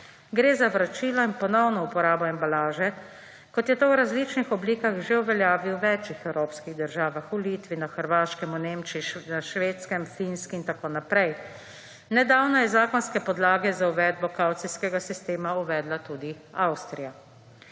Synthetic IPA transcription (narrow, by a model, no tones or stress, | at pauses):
ɡɾeːzaʋɾat͡ʃiːlɔinpɔnɔwnɔupɔɾaːbɔɛmbalaːʒɛ | kɔt̪jɛt̪owɾazlit͡ʃnixɔbliːkaxʒeuʋɛljaːʋiwʋɛːt͡ʃixɛwɾoːpskiɣd̪əɾʒaːʋaxuliːt̪ʋinaxəɾʋaːʃkɛmuneːmt͡ʃiʃnaʃʋeːt̪skɛmfinskiint̪akoːnapɾɛj | nɛd̪awnɔjɛzaːkɔnskɛpɔd̪laːɡɛzauʋɛːd̪̚bɔkawt̪siskɛɡasist̪eːmauʋɛːd̪lat̪uːd̪i | awst̪ɾija